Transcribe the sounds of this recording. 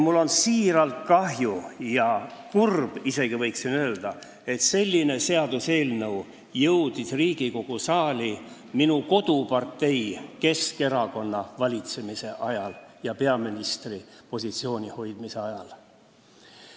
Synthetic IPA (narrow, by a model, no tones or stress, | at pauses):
mulːo̞nsiːɾɑlt̪kɑɦjujɑkurb̥ise̞ɡ̥ivɤjksinøːld̪̥ɑ | e̞t̪se̞lʲːine̞se̞ɑd̪̥use̞ːlnɤw | jɤwd̪̥isriːɡ̥iko̞ɡ̥usɑːlʲi | minuko̞d̪̥upɑrt̪ːe̞jke̞ske̞ɾɑko̞nːɑvɑlʲit̪se̞mise̞ʔɑjɑljɑpe̞ɑminist̪ri | po̞s̬ʲit̪sio̞ːnʲiho̞jd̪̥mise̞ɑjɑl